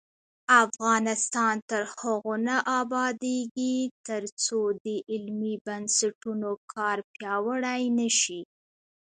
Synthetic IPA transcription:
afɣɑnɪst̪ɑnt̪əɾhəɣonaʔɑbɑd̪eɡit̪əɾt͡sod̪əʔɪlmibansaʈunokʰɑɾpjɑwəɽajnəʃi

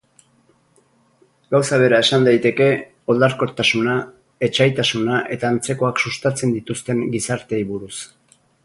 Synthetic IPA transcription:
ɡawsaβ̞e̞ɾae̞sand̪ajt̪e̞ke̞ | o̞ld̪aɾko̞t̪asuna | e̞t͡ʃajt̪asunaʔe̞t̪aːnt͡se̞ko̞aksust̪at͡se̞nd̪it̪ust̪e̞ŋɡisaɾt̪e̞iβuɾus

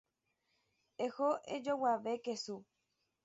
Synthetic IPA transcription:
ehoʔed͡ʒowaʋekesu

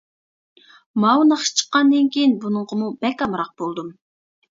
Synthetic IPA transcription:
mɑwnɑχʃt͡ʃʰə̥qːɑnd̪ɨnkʲʰejinbunɨɴqəmubɛkʲɑmɾɑq̚bolˠd̪um

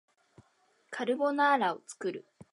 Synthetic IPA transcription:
kʰaɾɯ̟bo̞naːɾao̞t͡sɨ̥kɯ̟ɾɯ

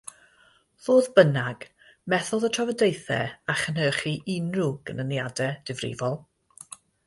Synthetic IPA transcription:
ðoːðbənaɡ̥ | mɛθɔðətʰɔvədejθɛ̰aχənhəːχiʔɪnruɡ̥ənənjadɛd̥ɪvrɪ̰vɔlˠ

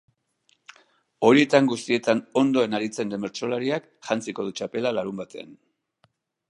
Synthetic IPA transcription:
o̞ɾie̞t̪aŋɡust̪ie̞t̪ano̞nd̪o̞e̞naɾit͡se̞nd̪e̞me̞ɾt͡so̞laɾiak | ʝant͡siko̞ð̞ut͡ʃape̞lalaɾumbat̪e̞a̰n

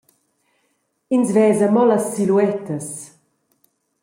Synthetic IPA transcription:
insvɛːzəmɔlasːiluɛt̪əs

